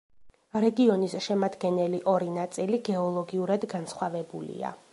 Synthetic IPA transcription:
ɾɛɡiɔnisʃɛmad̪ɡɛnɛliʔɔɾinat̪sʼiliɡɛɔlˠɔɡiuɾad̪ɡansχwavɛbulḭa̰

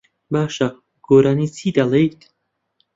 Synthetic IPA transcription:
baʃa | ɡ̥oɾanisid̪alejt̪

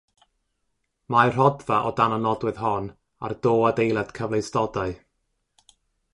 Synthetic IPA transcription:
majr̥ɔdvaʔɔdananɔdwɨðɦɔn | a̰rdoːadejlˠad̥kʰəvlˠejstɔdaɨ

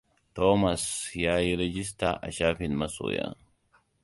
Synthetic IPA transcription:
t̪omɐsjaːjiɾɛd͡ʒɪs̬t̪a̰ʔɐ̰ʃaːfɪnmɐso̰ja̰

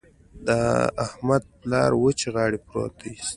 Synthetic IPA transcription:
d̪aa̰hmad̪̚plɑ̰ɾwət͡ʃeɣɑːɽipɾo̰t̪aist̪

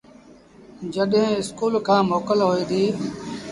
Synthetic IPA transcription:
d͡ʒəɗɦẽɪskuːlkʰãːmoːkəlɦoːiːd̪iː

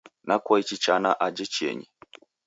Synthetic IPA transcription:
nakɔit͡ʃit͡ʃanaʔad͡ʒɛt͡ʃiɛ̰ɲi

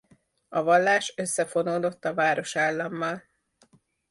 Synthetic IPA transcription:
ɒvɒlːaːʃøsːɛfo̞noːd̪o̞t̪ːɒvaːɾo̞ʃaːlːɒmːɒl

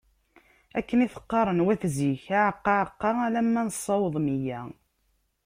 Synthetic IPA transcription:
ækːəniθə̥qːɑɾˤənwæθziçæʕəqːɑʕəqːɑælæmːænəsˤːɑwəðˤmijæ

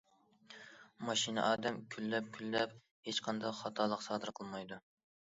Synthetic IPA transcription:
mɑʃinɨ̰ʔɑːd̪ɛmkʲʰylːɛp̚kʲʰylːɛp | het͡ʃqʰɑnd̪ɑχɑt̪ʰɑlˠəqsɑːd̪ɨɾqʰəlˠmɑjd̪u

